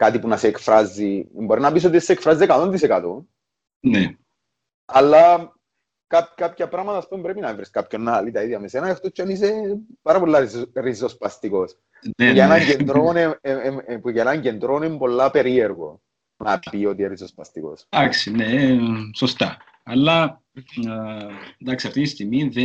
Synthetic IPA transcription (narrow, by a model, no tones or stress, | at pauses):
kat̪ipunɐseːkfɾɐzːimbo̞ɾinɐpis̬o̞t̪isekfɾɐziekɐt̪o̞nd̪isekɐt̪o | ne | ɐlːɐ | kapkapçɐpɾamɐt̪ɐːspumbɾepinɐevɾiskapço̞nːɐlit̪ɐiðʝɐmesenɐext̪ot͡ʃːɐnis̬epɐɾɐpolːɐɾizospɐst̪iko̞s | nejeenɐɲɟend̪ɾonempujenɐɲɟend̪ɾonempo̞lːɐpe̞ɾieɾɣo̞̰ | nɐpio̞t̪ieɾizospɐst̪iko̞̰sd̪aksineso̞st̪ɐ | ɐlːɐ | nd̪ɐksiɐft̪inist̪imiðe